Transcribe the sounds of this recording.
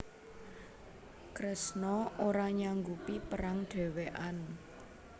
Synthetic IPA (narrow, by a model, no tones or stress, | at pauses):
kɾəsnɔoɾaɲaŋɡupipəɾaŋɖ̥ɛ̤weʔan